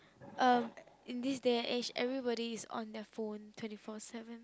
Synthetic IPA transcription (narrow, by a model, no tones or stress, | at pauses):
ʔʌ̃mĩndisdeʔed͡ʒɛ̰vɹibɔɾiːsɔ̰̃ndɛtfõntʰw̥ɛ̃ntifɔsɛvə̃n